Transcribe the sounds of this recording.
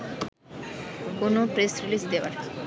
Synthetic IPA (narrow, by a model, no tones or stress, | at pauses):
konopɾesɾilisd̪eʋa̰ɾ